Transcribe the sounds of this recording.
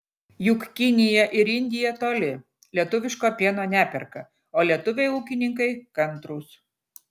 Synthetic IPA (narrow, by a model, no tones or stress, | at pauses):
jʊkkʲɪnʲɪjɛʔɪɾɪnʲd̪ʲɪjɛt̪oːlʲɪ | lʲiɛt̪ʊʋʲɪʃkoːpʲiɛnoːnʲæːpʲɛɾkɐ | oːlʲiɛt̪ʊʋʲɛɪuːkʲɪnʲɪŋkɐɪkɐnˑt̪ɾuːs